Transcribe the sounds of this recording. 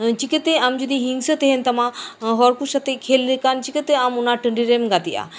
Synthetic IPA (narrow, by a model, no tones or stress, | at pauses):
t͡ʃikət̪eamd͡ʒud̪iɦĩŋɡsət̪eɦent̪ɐmãɦɔɾkuʃɐt̪ekʰeːlːekant͡ʃikət̪eamunãʈəɳɖiɾemɡat̪ia̰ː